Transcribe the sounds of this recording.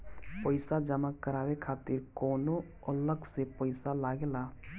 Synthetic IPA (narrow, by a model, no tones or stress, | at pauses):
pəɪsad͡ʒəmakːəɾaːwekʰaːt̪ɪɾkɔːno | ɔləksepəɪsalaːɡelaː